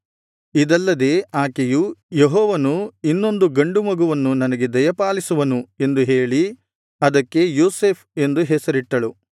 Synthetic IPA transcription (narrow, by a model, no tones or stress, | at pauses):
id̪ɐlːɐd̪e̞ːaːkejujeɦɔːʋɐnuinːo̞nd̪uɡɐɳɖumɐɡuʋɐnːunɐnɐɡe̞d̪ɐjɐpaːlisuʋɐnue̞nd̪uɦe̞ːɭi | ɐd̪ɐkːe̞joːse̞ːpʰe̞nd̪uɦɛsɐɾiʈːɐɭu